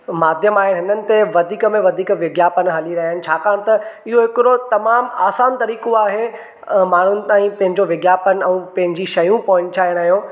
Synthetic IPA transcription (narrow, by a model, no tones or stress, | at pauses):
maːd̪ʱjəmaːɦɪnɪɦɪnənɪ̆t̪eʋɐd̪ʱiːkəmẽʋɐd̪ʱiːkʋɪɡjaːpənɦɐliɾɐɦiaɪnɪ̆t͡ɕʰaːkaːɽ̃t̪ɐɪɦoɦɪkɪɾot̪ɐmaːmaːsaːnt̪ɐɾiːkoaːɦe | maːɳ̤ʊnɪ̆t̪aːĩpɐ̃ɦɪ̃ɲd͡ʑoʋɪɡjaːpən̆ɛ̃ːpɐ̃ɦɪ̃ɲd͡ʑiʃɐjũpɐɦʊ̃ɲt͡ɕaːɪɽ̃aːɦijõː